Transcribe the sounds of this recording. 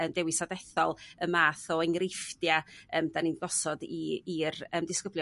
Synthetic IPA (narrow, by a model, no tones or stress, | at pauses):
əmdɛwɪsadɛθɔlˠəmaːθɔɛŋrɪfdjaəːmdaninɡɔsɔdiirəːmdɪskəblj